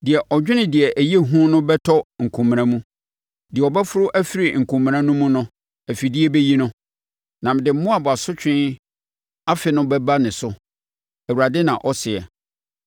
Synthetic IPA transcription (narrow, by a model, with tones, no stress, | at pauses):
dɪ˨ɛ˨ʔɔ˨d͡ʑᶣɪ˦nɪ̃˨dɪ˨ɛ˨ʔæ˨je˦ɦũ˦nʊ̃˦bɛ˦tʰɔ˦ŋ̩˨kʰũ˨m̃ː˨nã˨mũ˦ | dɪ˨ɛ˨ɔ˨bɛ˦fʊ˦ɾʊ˦ʔæ˦fi˦ɾi˨ŋ̩˨kʰũ˨m̃ː˨ɾã˦nʊ̃˦mũ˦nʊ̃˦ | æ˨fi˨dɪ˦ɛ˦be˦ji˦nʊ̃˦ | nã˨m˨dɪ˨m̩˦mʊ̃˦a˨bɔ˨a˨sʊ˦t͡ɕᶣʰɪ̃˦ | a˦fɪ˨nʊ̃˦bɛ˦ba˦nɪ̃˨sʊ˦ | æ˨wu˨ɾa˨dɪ˦nã˨ʔɔ˦sɪ˨ɛ˨